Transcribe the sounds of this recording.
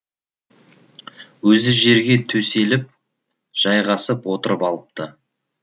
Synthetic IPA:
wɵzɪʒe̞ɾɡʲe̞t̪ʰɵse̞lɪp̚ | ʒ̥ɑjʁɑsəpwo̞t̪əɾəpɑlˠəp̚t̪ə

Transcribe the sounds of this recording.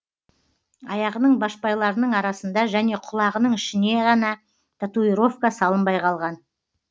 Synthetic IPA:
ɑjɑʁənəɴbɑʃpɑjlˠɑɾənəɴɑɾɑsənd̪ɑʒæne̞qʰʊlˠɑʁənəɴɪʃɪne̞ʁɑnɑ | t̪ʰat̪uiɾo̞fkɑsɑlˠəmbɑjqʰɑlˠʁɑn

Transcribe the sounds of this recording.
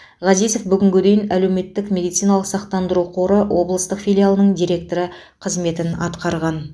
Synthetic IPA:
ʁɑzijzo̞fbʏɡʲɪŋɡʲɪd̪e̞jɪnæle̞wme̞t̪ːɪkmʲe̞d̪ijt̪sijnɑlˠəqsɑqt̪ɑnd̪əɾuqʰo̞ɾəwo̞blˠəst̪əqfijlʲialˠənəɴd̪iɾʲe̞k̚t̪o̞ɾə | qʰəzme̞t̪ɪnɑ̰t̪qɑɾʁɑn

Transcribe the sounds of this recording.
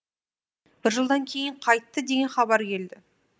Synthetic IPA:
b̥ɪɾʒəlˠd̪ɑŋkʲʰe̞jɪɴqʰɑjt̪ːəd̪e̞ɡʲe̞nχɑbɑɾkʲʰe̞ld̪ɪ

